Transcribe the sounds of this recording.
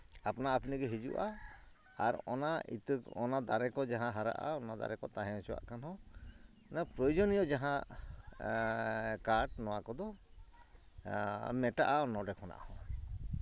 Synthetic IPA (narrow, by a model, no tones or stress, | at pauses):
apɔnaːpniɡɛɦid͡ʒṵʔa̰ː | ɾɔ̰naḭt̪ɔnad̪aɾɛkɔd͡ʒaɦãɦaɾa̰ʔa̰ɔnad̪a̰ɾɛkɔt̪aɦɛ̃ɔ̃suwa̰ʔkanɦɔ̃ | napɾɔjud͡ʒɔnijɔd͡ʒaɦã | kaɾʈnɔwakɔd̪ɔ | mɛʈaʔaɔnɔɖɛkʰɔna̰ʔhɔ̃